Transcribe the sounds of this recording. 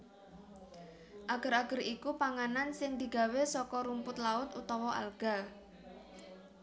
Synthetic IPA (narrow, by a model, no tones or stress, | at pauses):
ʔaɡ̥ə̤ɾaɡ̥ə̤ɾikupaŋanansɪŋd̪̥i̤ɡ̥a̤wesɔkɔɾumpʊt̪laʊt̪ut̪ɔwɔʔa̰lɡ̥a̤